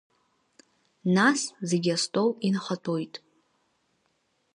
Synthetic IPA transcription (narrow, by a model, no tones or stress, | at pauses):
nasze̞ɡʲastʷʼo̞winχatʰo̞jtʼ